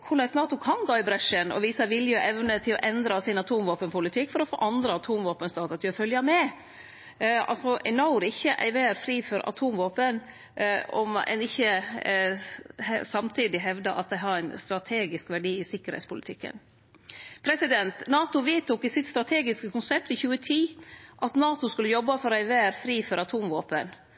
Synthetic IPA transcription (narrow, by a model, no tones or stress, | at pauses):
kʰʊɭæɪsnɑːt̪ʊkʰɑnɡɑːɪbɾɛʂənɔ̰ʋiːsɑʋɪljøʔɛʋnət̪ʰɪlɔ̰ʔɛnd̪ɾɑsɪnɑt̪ʰuːmʋoːpənpʰʊlɪt̪ʰɪkːfɔɾɔfo̰ːʔɑnd̪ɾəɑt̪ʰuːmʋoːpənst̪ɑːt̪ɑt̪ʰɪlɔfœljɑmɛ | ɑ̰lsɔʔɛnɑʊɾɪçːəʔæ̰ɪʋeːɾfɾiːfɔɾʔɑ̰t̪ʰuːmʋoːpən | ɔ̰mɛ̰nɪçːə | sɑmt̪ʰiːd̪ɪɦɛʋd̪ɑʔɑt̪̚d̪ɛɪɦɑɾæɪnst̪ɾɑt̪ʰeːɡɪskʋæɖiːɪsɪkːəɾhɛ̰ɪt̪spʊlɪ̰t̪ʰɪkːə̰n | pʰɾɛsɪd̪ɛnt̪nɑːt̪ʊʋiːt̪ʊkɪsɪt̪st̪ɾɑt̪ʰeːɡɪskəkʊnsɛp̚t̪ɪçʉːət̪ʰiːʔɑt̪nɑːt̪ʊskʉlːəjɔbːɑfɔɾɔæɪʋeːɾfɾiːfɔɾʔɑt̪ʰuːmʋoːpən